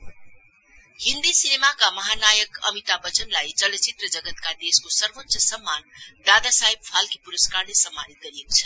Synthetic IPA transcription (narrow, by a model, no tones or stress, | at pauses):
hind̪isinemakamʌɦanajəkʌ̰mit̪abʌt͡sʌnlajd͡zʌlʌt͡sit̪rʌd͡zʌɡʌt̪kad̪eskosʌrʋətːt͡ʃʌsʌmːand̪ad̪asaɦib̚pʰalkipuɾəskaɾlesʌmːanit̪̚ɡʌɾijekot͡sʰʌ̥